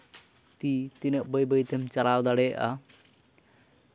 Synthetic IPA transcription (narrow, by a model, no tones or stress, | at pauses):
t̪it̪inəʔ̚bəjbəjt̪ʰɛmt͡ʃalawd̪aɽɛʔa̰